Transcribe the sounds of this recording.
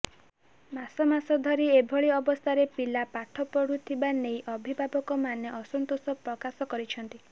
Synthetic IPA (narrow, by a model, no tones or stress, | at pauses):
masɔmasɔd̪ʱɔɾiebʱɔɭiɔbɔst̪ʰaɾepilapaʈʰɔpɔɽut̪ʰibanejʔɔbʱibʱabɔkɔmanjeʔɔsɔnt̪osɔpɾɔkasɔkɔɾit͡ʃʰɔnt̪i